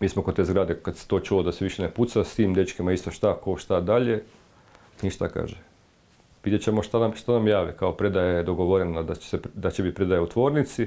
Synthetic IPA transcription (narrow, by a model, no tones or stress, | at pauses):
miːsmokot̪e̞ːzɡɾaːd̪ekad̪se̥t̪o̞ːt͡ʃulod̪aseʋiʃeneput̪sast̪iːmd̪et͡ʃkemaist̪oʃt̪akoʃt̪ad̪aʎe̞ | niʃt̪aka̰ːʒe | ʋid̪jet͡ɕemoʃt̪anamʃt̪anamjaːʋikaopɾe̞d̪ajed̪oɡoʋoɾenad̪at͡ɕe̥sed̪at͡ɕebit̪̚pɾe̞d̪ajeut̪ʋo̞ːɾnit̪si